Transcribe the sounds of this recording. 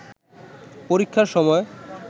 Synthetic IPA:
poɾikʰːaɾʃɔmɔe

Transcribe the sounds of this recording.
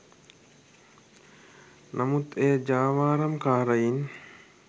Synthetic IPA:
nʔamut̪ejəd͡ʒaːʋaːɾɐmkaːɾəjin

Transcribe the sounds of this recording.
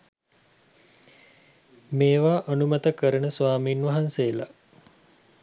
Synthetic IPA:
meːʋaːʔɐnumɐt̪əkəɾənəsʋaːmiːnʋɐɦanseːla̰

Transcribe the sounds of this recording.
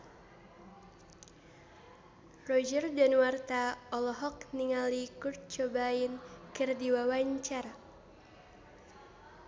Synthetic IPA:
rɔd͡ʒərdanwart̪aɔlɔɦɔk̚niŋalikur̚t͡ʃɔbainkərdiwawaɲt͡ʃar

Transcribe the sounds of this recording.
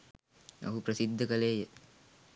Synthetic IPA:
o̰ɦupɾɐsid̪ʱːɐkɐleːjə

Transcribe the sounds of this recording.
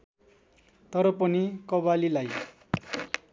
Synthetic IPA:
t̪ʌɾʌpʌnikʌbalilaj

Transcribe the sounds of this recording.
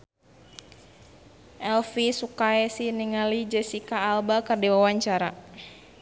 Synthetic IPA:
ʔɛlfisukaɛsiniŋalid͡ʒɛsikaːlbakɨrdiwawaɲt͡ʃaɾa̰

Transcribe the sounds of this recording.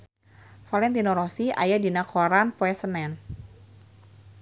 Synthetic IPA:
falɛnt̪inɔɾɔsia̰jadinakʰɔɾanpɔɛsənɛn

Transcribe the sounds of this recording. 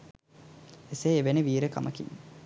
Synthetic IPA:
eseːʋeneʋiːɾəkɐ̰məkḭŋ

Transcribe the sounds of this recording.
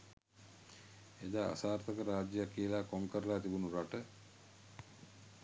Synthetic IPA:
ed̪aːa̰saːɾt̪əkəɾaːd͡ʒjəjakːiəlaːkoŋkəɾəlaːt̪ibunuɾaʈə

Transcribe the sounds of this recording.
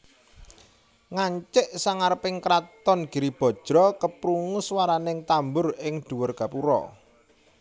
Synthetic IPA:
ŋaɲt͡ʃɪʔsaŋaɾəpɪŋkɾat̪ɔnɡ̥i̤ɾib̥ɔ̤d̥ʒ̥ɾɔkəpɾuŋʊswaɾanɪŋt̪ambʊrɪŋɖ̪̥ṳwʊrɡ̥ä̤puɾɔ̰

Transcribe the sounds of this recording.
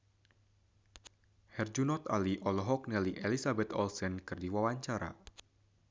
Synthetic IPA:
hɛrd͡ʒunɔt̪a̰liʔɔlɔɦɔk̚nɛliʔelisabɛt̪ɔlsɛnkɨrdiwawaɲt͡ʃaɾa̰

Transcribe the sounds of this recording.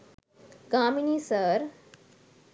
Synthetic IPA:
ɡaːminisəɾ

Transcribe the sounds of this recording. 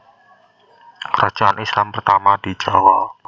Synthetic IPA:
kəɾḁʒ̥aʔanʔislampərt̪amadi̥d͡ʒawal

